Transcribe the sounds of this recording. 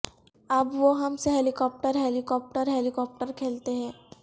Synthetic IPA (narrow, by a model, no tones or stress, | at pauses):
ɐbʋoɦɐmseɦɛːlikɔːp̚ʈəɾɦɛlikɔːp̚ʈəɾɦɛlikɔːp̚ʈəɾkʰeːlt̪eɦɛ̃ː